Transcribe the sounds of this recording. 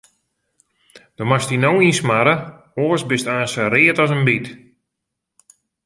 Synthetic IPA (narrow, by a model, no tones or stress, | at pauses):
d̥ɔmastinowinsmaɾə | oːəsbɪstaːnsəɾɪətɔs̬ənbit